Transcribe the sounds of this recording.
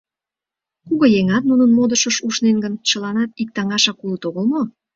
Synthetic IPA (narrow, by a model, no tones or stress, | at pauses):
kuɣɤjeŋɑt̪̚nunənmod̪əʃəʃuʃnenɡənt͡ɕəlɑnɑt̪̚ik̚t̪ɑŋɑʃɑkulət̪oɣəlmo